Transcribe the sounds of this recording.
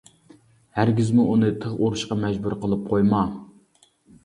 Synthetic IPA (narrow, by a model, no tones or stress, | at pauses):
hæɾɡʲizmuʔunɨt̪ʰəʁoɾuʃqɑmɛd͡ʒbuɾqəlˠɨp̚qʰojmɑ